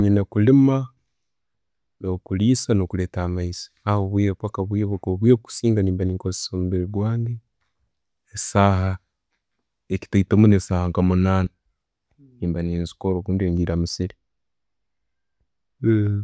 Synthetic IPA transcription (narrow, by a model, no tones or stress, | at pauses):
ɲinekulima | nokuliːsanokuleːtamaisi̥awoβwikwakaβwiβukoβwieβuku̥siːŋɡaniːmbaniːŋkose̥somuβiɾiɡwaːnɡi | esaɦa | eki̥taitamunesahaŋkamunaːna | niːmbaniːnzi̥koɾokuːndieːɲɟiːɾamusiɾi